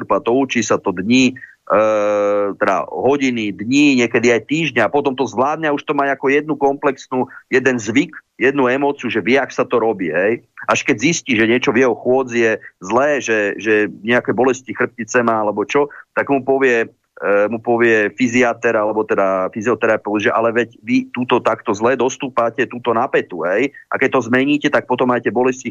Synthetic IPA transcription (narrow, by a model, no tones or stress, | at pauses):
pat̪ɔut͡ʃiːsat̪ɔd̪ɲi | t̪ɛd̪a̰ɦɔɟinid̪ɲiɲɪɛkɛd̪iajt̪iːʒɲɛapɔt̪ɔmt̪ɔzʋlaːd̪ɲauʃt̪ɔmaɲakɔjɛd̪̚nukɔmplɛksnujɛd̪ɛnzʋikjɛd̪nuɛmɔːt͡siuʒɛʋɪɛakɔ̥sat̪ɔɾɔbiːɦɛjʔaʃkɛɟzisciːʒɛɲɪɛt͡ʃɔvjɛɦɔxʊɔd͡zijɛzlɛːʒɛʒɛɲɛakɛbɔlɛscixr̩p̚cit͡sɛmaalɛbɔt͡ʃɔt̪aɡmupɔʋɪɛ | mupɔʋɪɛfiziat̪ɛɾalɛbɔt̪ɛd̪afiziɔt̪ɛɾapɛʊʒɛʔalɛʋɛcʋit̪uːt̪ɔt̪akt̪ɔzlɛːd̪ɔst̪uːpaːcɛt̪uːt̪ɔnapɛt̪uɦɛjʔa̰kɛc̚t̪ɔzmɛɲiːcɛt̪ak̚pɔt̪ɔmːaːcɛbɔlɛsci